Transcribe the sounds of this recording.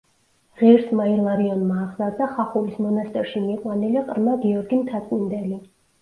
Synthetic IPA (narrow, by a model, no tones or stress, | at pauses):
ʁɛɾsmailˠaɾiɔnmaːχzaɾd̪aχaχulismɔnast̪ʼɛɾʃimiqʼwaniliqʼɾmaɡiɔɾɡimt̪ʰat̪̚ʼkʼwind̪ɛli